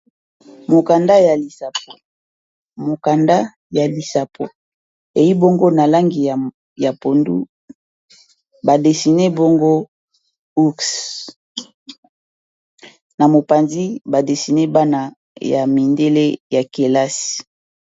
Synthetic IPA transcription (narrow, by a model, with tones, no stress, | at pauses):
mo˨ka˨nda˦ja˨li˨sa˨p̚o˨ | mo˨ka˨nda˦ | ja˨li˨sa˨pʰo̰˨ | e˨ji˦bo˦ŋɡo˦na˨la˦ŋɡi˨ | ja˨po˨ndṵ˦ | ba˨de˨si˨ne˦bo˦ŋɡo˦ | u˦ks | na˨mo˨pa˨nzi˦ba˨de˨si˨ne˦ba˦na˨ | ja̰˨mi˨nde˦le˦ja˨ke˨la˦si̥˨